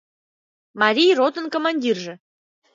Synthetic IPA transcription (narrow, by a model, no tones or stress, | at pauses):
mɑɾʲijrot̪ənkomɑnʲdʲirʒĕ